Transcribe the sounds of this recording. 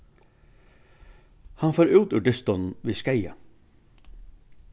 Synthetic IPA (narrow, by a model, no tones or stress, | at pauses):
hɑnfoːɾʉːt̪ʉːɖɪst̪ɔnn̩ʋiːskæɪə